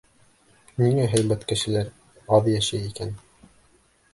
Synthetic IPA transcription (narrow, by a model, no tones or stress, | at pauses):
niŋæɦæ̆jmæt̪kɘ̆ʃɘ̆læɾ | ɑðjæʃæjikæn